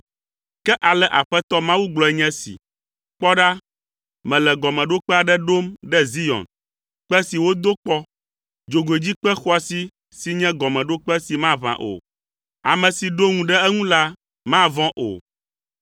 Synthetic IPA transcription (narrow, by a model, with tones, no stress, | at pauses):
kɛ˦ʔa˨lɛ˨ʔa˨ɸɛ˦t̪ɔ˦mã˦wu˦ɡ͡blɔ˨˦ɛ˦ɲɛ̃˦sḭ˨ | k͡pɔ˦ɖa˦ | mɛ̃˨lɛ˨ɡɔ˨mɛ̃˨ɖo˦k͡pɛ˦a˨ɖɛ˦ɖo˦mɖɛ˦zi˦jɔ̰˨n | k͡pɛ˦si˨wo˦d̪o˦k͡pɔ˦ | d͡ʒo˨ɡo˨e˨d͡ʑi˦k͡pɛ˦xɔ˦a˨si˦ | si˨ɲɛ̃˦ɡɔ˨mɛ̃˨ɖo˦k͡pɛ˦si˨mã˦βã̰˨ʔo̰˨ | a̰˨mɛ̃˨si˨ɖo˦ŋũ˨ɖɛ˦ɛ˦ŋũ˦la˦ | mã˦˨vɔ̃˦ʔo̰˨